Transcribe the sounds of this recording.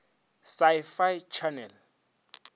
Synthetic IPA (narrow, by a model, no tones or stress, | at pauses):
sajfajt͡ʃʰanɛl